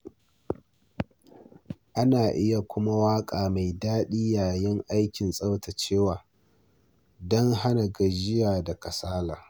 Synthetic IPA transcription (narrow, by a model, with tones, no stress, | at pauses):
ʔa˦naː˨ʔɪ˦ja˨kʷʊ˦ma˦waː˦kʼaː˨ma˨jdaː˦ɗiː˦jaː˨jɪ˦ŋʔa˦jkʲɪ˨nsʼa˦wta˨t͡ʃeː˦waː˨ | dɔ˦ŋɦa˦na˨ɡɐ˨d͡ʒɪ˦jaː˨da˨kɐ˨saː˦laː˨